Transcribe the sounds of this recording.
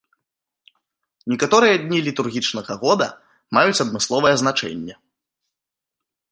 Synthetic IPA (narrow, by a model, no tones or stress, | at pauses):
nʲɛkat̪ɔɾɨjɐd̪ʲnʲilʲit̪urɣʲit͡ʂnɐɣɐɣɔd̪ɐ̰ | majut͡sʲɐd̪mɨslˠɔvɐjɛznat͡ʂɛ̰nʲːɛ